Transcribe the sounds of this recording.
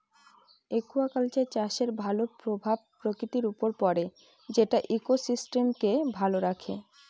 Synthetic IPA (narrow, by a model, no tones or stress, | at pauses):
ekuakalt͡ɕet͡ɕaʃeɾbʱalopɾobʱab̚pɾokɾit̪iɾupoɾpɔɾe | d͡ʑeʈaʔikosisʈemkebʱaloɾakʰḛ